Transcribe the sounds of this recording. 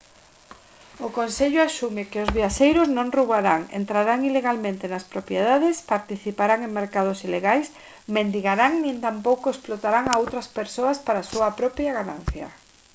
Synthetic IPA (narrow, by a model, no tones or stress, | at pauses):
ʊkonseʎʊasumɪkɪʊzβiaʃejɾʊznõŋruβaɾaŋḛnt̪ɾaɾaŋileɣalmẽnt̪ɪnɐspɾopjeð̞aðɪspaɾt̪iθipaɾaŋeŋmeɾkað̞ʊsileɣajs | mẽnd̪iɣaɾaŋnĩnt̪ampowkoesplot̪aɾaŋaowt̪ɾɐspeɾsoɐspaɾasuɐpɾɔpjɐɣanãn̟θjɐ̰